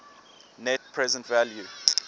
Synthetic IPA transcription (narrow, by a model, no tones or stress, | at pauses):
nɛt̚pʰɹɛzɛ̃ntvalju